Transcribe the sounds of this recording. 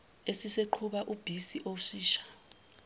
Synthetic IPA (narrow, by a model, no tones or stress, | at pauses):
esiseǃʰuɓaʔub̥ʱisiʔosiːʃḁ